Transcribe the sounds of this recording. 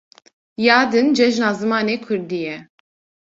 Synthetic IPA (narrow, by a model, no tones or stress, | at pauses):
jɑːd̪ɨnd͡ʒɛʒnɑːzɨmɑːneːkʰʊɾd̪ijɛ